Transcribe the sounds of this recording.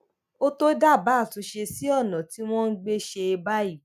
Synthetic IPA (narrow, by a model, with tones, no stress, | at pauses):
o˦to˦da˦˨ba˨˦˨tu˧˦ʃe˧si˦ɔ˦˨nã˨ti˦w̃ɔ̃˦n̩˦ɡ͡be˦ʃe˧ba˦i˦˨